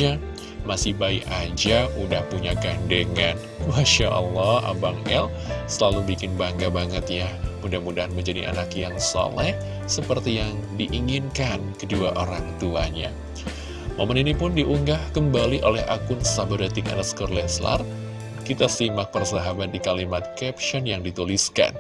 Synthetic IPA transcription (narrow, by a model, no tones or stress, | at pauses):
a | masɪhbaikad͡ʒaudahpuɲaɡandəŋan | maʃaʔə̰lːɑha̰baŋɛ̰l | səlalubikɪnbaŋɡabaŋət̪̚jamudahmudaɦanməɲd͡ʒadḭʔa̰nakjaŋsɔ̰lɛh | səpərt̪ijaŋdiʔiŋɪnkankəduaʔoɾaŋt̪uaɲa | momaninipʊndiʔuŋɡahkəmbaliʔolɛha̰kʊnsabaɾat̪ɪŋa̰nakskɔrlɛsla̰r | kit̪asimak̚pərsaɦabat̪̚dikalimat̪̚kɛp̚ʃɔnjaŋdit̪uliska̰n